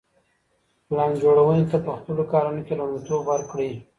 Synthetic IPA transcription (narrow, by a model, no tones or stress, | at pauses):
lɑnd͡ʒoɽawənet̪apəxpəlokɑɾanokeland̪it̪obwaɾkɽi